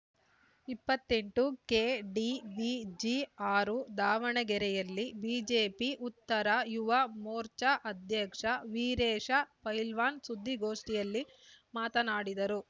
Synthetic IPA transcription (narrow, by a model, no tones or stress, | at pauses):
ipːɐt̪ːe̞ɳʈuke̞ːɖibid͡ʒiaːɾud̪aːʋɐɳɐɡɛɾɛjɐlːibiːd͡ʒeːpiʔut̪ːɐɾɐjuʋɐmoːɾt͡ʃɐʔɐd̪ʱjɐkʂɐʋiːɾɛːʂɐpɐjlʋaːnsud̪ʱːiɡo̞ːʂʈijɐlːi | maːt̪ɐnaːɽid̪ɐɾu